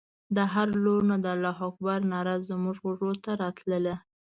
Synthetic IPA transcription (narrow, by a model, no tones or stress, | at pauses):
d̪əɦaɾloɾnad̪əalːɑɦɑk̚bɑɾnɑɾɑzːəmuʒɣʊʐɽot̪aɾɑt̪ləle